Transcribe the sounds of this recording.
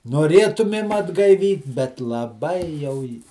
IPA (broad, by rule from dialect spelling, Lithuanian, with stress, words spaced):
noːˈrʲeːtʊmʲeːm ɐdɡɐɪˈʋʲiːt bʲɛt lˠɐˈbɐɪ jɛʊ jɪ